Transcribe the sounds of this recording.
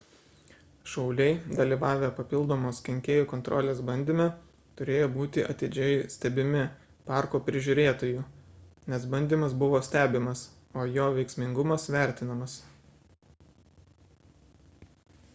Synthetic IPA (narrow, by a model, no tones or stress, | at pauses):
ʃɐɒʊlʲɛɪd̪ɐlʲiʋɑːʋʲepɐpʲɪlˠd̪oːmoːskʲɛŋʲkʲeːjuːkɔnt̪ɾʔɔ̰lʲeːsbɐnʲd̪ʲɪmʲɛ | t̪ʊɾʲeːjoːbuːt̪ʲɪʔɐt̪ʲɪd͡ʒʲɛjsʲt̪ʲɛbʲɪmʲɪ | pɑˑɾkoːpʲɾʲɪʒʲuːɾʲeːt̪oːjuːnʲɛsbɐnʲd̪ʲimɐsbʊʋoːsʲt̪ʲæːbʲɪmɐs | oːjoːʋʲɛɪksʲmʲɪŋɡʊmɐsʋʲæˑɾʲt̪ʲɪnɐmɐs